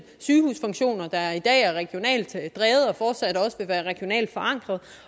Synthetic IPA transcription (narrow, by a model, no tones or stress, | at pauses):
syːhṵːsfɒ̽ŋɕo̝̰ːnɐd̥ɑ̈æɐid̥ɛ̰ːæɐʁɛɡ̥jo̝nɛ̰ːld̥d̥ʁɛːð̞̩ˠɒ̽fɒːd̥sæd̥ɒ̽səʋe̝ʋæːɐʁɛɡ̥io̝nɛ̰ːld̥fɒ̽ɑ̈ŋ̰ɡ̥ʁɐð̩ˠ